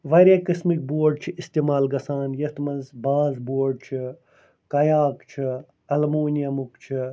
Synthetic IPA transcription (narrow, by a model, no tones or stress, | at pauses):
ʋɐɾɐkɐsmik̚boːɖ̚t͡ʃʰiist̪emaːlɡɐsaːnjɐt̪mɐnzbaːzboːɖ̚t͡ʃʰi | kɐjaːkt͡ʃʰi | ɐlmoːnijɐmukt͡ʃʰi